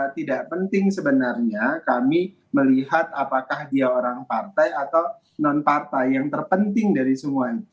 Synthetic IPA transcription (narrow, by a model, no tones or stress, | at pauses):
t̪idaʔpənt̪ɪŋsəbənarɲakami | məliɦat̪̚apakahdiaoɾaŋpart̪ajat̪aw | nɔnpart̪ajːaŋt̪ərpənt̪ɪŋdaɾisəmuait̪u